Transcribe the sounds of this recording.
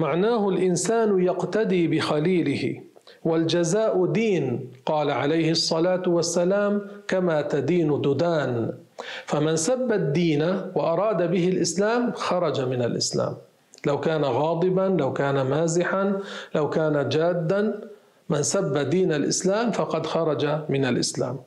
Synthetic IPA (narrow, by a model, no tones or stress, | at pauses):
maʕnaːɦʊlʔɪnsaːnʊjaqt̪ad̪iːbɪxaliːlɪhɪ̰ | wald͡ʒazaːʔʊd̪iːnqɑːlaʕa̰lajhɪsˤːɑlaːt̪wasːalaːmkamaːt̪ad̪iːnʊd̪ʊd̪aːn | famansabːad̪ːiːnawʔɑɾˤɑːd̪abɪɦɪlʔɪslaːmxɑɾˤɑd͡ʒamɪnalʔɪ̰sla̰ːm | lawkaːnaɣɑːd̪ˤɨbanlawkaːnamaːzɪħanlawkaːnad͡ʒaːd̪ːan | mɪnsabːad̪iːnalʔɪ̰slaːmfɑqɑd̪xɑɾˤɑd͡ʒamɪnalʔɪ̰sla̰ːm